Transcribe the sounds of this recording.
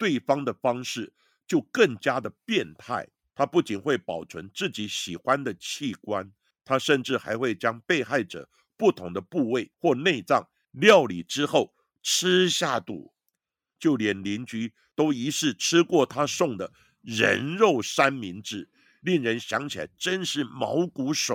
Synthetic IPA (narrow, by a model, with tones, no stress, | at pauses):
t̪we˥˩ɪfɑ˥ŋd̪ə˨fɑ˥ŋʂɻ̩˥˩ | t͡ɕjo˥˧ʊkə˥˩ŋt͡ɕja˥d̪ə˨pjɛ˥˧nt̪ʰa̰˥˩ɪ | t̪ʰa˥pu˥˩t͡ɕi˨˩nxwe˥˩ɪpɑ˨˩ʊt͡sʰə̰˧˥nt͡sɹ̩˥˩t͡ɕi˧˥ɕi˨˩xwa˦nd̪ə˨t͡ɕʰi˥˩kwa˦n | t̪ʰa˥ʂə˥˧nʈ͡ʂɻ̩˥˩xa̰˧˥ɪxwe˥˩ɪt͡ɕjɑ˥ŋpe˥˧ɪxa˥˩ɪʈ͡ʂɤ̰˨˩ | pu˥˩t̪ʰʊ˧˥ŋd̪ə˧pu˥˧we˥˩ɪxwɔ˥˧ne˥˧ɪt͡sɑ˥˩ŋ | ljɑ˥˨˩ʊli˨˩ʈ͡ʂɻ̩˥xo˥˩ʊ | ʈ͡ʂʰɻ̩˥ɕja˥˩t̪ṵ˨˩ | t͡ɕjo˥˩ʊljɛ˨˩nli˧˥nt͡ɕy˧˥ | t̪o˥ʊi˧˥ʂɻ̩˥˩ʈ͡ʂʰɻ̩˥kwɔ˥˩t̪ʰa˥sʊ˥˩ŋd̪ə˩ | ɻə̰˧˥nɻo˥˩ʊʂa˥nmi˧˥nʈ͡ʂɻ̩˥˩ | li˥˩ŋɻə˧˥nɕjɑ˧˥ŋt͡ɕʰi˨la̰˧˩ɪʈ͡ʂə˥nʂɻ̩˥˩mɑ˧˥ʊku˧˥ʂo̰˨˩˦